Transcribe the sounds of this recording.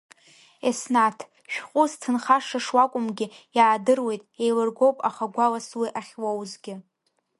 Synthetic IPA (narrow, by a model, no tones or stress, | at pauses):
esnatʰ | ʃᶣqʷʼʊztʰɨnχaʂaʂwakʷʼʊmɡʲɪjaːdɨrwe̞jtʼejlɨrɡowpʼaχaɡʷalaswiʔaχʲwowzɡʲɪ